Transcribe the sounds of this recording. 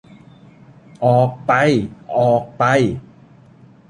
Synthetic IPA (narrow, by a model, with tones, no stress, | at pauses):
ʔɔː˨˩k̚pa˧jʔɔː˨˩k̚pa˧j